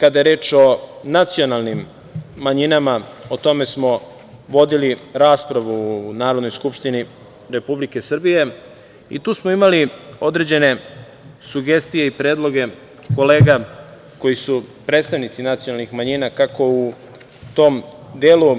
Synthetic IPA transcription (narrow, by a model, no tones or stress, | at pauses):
kad̪aje̞ɾeːt͡ʃo̞nat̪sio̞nalˠnimː | aɲinamaot̪o̞me̞smo̞ | ʋo̞d̪iliɾaːspɾaʋuːnaːɾod̪nojskupʃt̪ini | ɾe̞publike̞sr̩bije̞ | ḭt̪uːsmoimalio̞d̪ɾe̞d͡ʑe̞ne̞ | suɡe̞st̪ije̞ipɾe̞ːd̪lˠo̞ɡe̞ | ko̞le̞ːɡa | ko̞jisupɾet̪st̪aʋnit̪sinat̪ijo̞nalnixmaɲinakako̞u | t̪o̞ːm | d̪eːlu